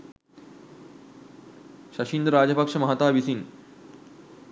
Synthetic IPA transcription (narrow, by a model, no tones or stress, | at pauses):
ɕɐɕind̪ɾad͡ʑəpɐkʂɐmɐɦat̪aːʋisin